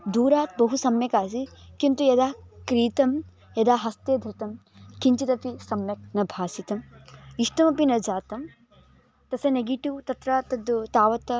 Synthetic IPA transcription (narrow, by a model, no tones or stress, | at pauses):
d̪uːɾaːt̪̚bɐɦusɐmjɐkaːsikint̪ujɐd̪aːkɾiːt̪ɐm | jɐd̪aːɦɐst̪eːd̪ʱɾɐt̪ɐm | kiɲt͡ʃit̪ɐpisɐmjɐk̚nɐbʱaːsit̪ɐmiʂʈɐmɐpinɐd͡ʒaːt̪ɐm | t̪ɐsɐneɡiʈiwt̪ɐt̪ɾaːt̪ɐd̪ut̪aːʋɐt̪ɐ